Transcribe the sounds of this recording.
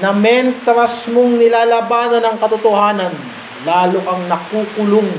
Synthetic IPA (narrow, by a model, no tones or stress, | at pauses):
nɐmɛnt̪ɾɐsmoŋnɪlaːlɐbaːnɐnɐŋkɐt̪ʊt̪ohaːnɐn | laːloʔɐŋnɐkuːkʊlʊŋ